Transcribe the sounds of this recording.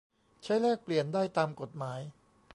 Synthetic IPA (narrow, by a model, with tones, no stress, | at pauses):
t͡ɕʰa˦˥jlɛː˥˩k̚pli˨˩əndaː˥˩jt̪aː˧mko˨˩t̪̚maː˩˦˥j